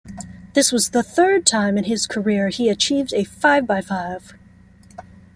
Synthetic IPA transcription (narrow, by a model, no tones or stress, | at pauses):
ðɪswʌzðəθɜ˞d̚tʰãɪ̃mɨ̃nɪz̥kʰə˞ɪɹiɨt͡ʃʰivdɨfaɪvbaɪfaɪv̥